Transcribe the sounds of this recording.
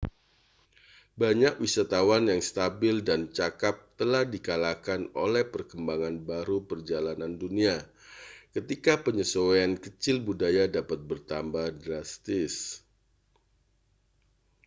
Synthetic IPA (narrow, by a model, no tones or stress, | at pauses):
baɲak̚wisat̪awanjaŋst̪abɪldant͡ʃakap̚t̪əlahdikalakanolɛhpərkəmbaŋanbaɾupərd͡ʒalanandunia | kət̪ikapəɲəsoweankət͡ʃɪlbudajadapat̪̚bərt̪ambahdɾast̪ɪs